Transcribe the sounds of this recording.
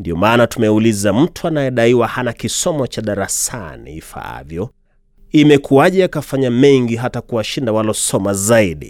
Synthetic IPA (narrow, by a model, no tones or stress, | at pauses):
ndiɔmaːnatumɛulizam̩tuanajɛɗaiwahanakisɔmɔt͡ʃaɗaɾasa̰nḭifa̰a̰vjɔ | imɛkuaʄɛjakafaɲamɛŋɡiɦatakuwaʃindawalɔsɔmazaiɗḭ